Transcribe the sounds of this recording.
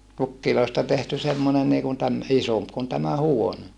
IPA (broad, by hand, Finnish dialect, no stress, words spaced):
pukːiloistɑ tehty semːone niːkun tæm isomp kun tæmæ huone